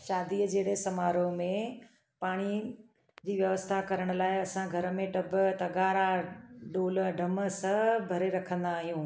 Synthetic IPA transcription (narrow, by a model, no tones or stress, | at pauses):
ʃaːd̪iːəd͡ʑeːɽesɐmaːɾomẽ | paːɽ̃i | d͡ʑiːʋjɐʋəst̪ʰakɐɾəɽ̃ʊlaːɪɐsãɡʱɐɾə̆mẽɖɐbt̪ɐɡaːɾaɖoːlɖʱɐmə̆sɐbʱɐɾeɾɐkʰə̃nd̪aːɦijũː